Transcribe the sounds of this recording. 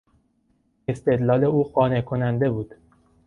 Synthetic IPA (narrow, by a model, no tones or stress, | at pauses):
e̞st̪e̞d̪lɒːle̞uːxɒːnekʰo̞nænd̪e̞buːd̪̥